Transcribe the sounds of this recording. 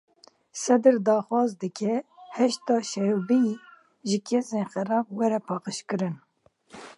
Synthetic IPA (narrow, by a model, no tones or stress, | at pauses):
sɛd̪ɨɾd̪ɑːxwɑːzd̪ɨkʲʰɛhɛʃt̪ɑːʃɛɾubij | ʒɨkʰeseːnxɛɾɑːbwɛɾɛpʰɑːqəʃkɨɾɨn